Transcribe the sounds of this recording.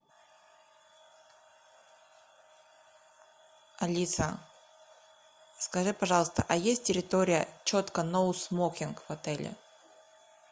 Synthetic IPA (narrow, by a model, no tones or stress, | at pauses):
ɐlʲit̪sə̰ | skɐʐɨpɐʐɑlˠəst̪ə̰ʔɐjesʲt̚ʲtʲɪɾʲɪt̪oɾʲɪjə̰t͡ɕot̪kənosmokʲɪnkvɐt̪ɛlʲɪ̰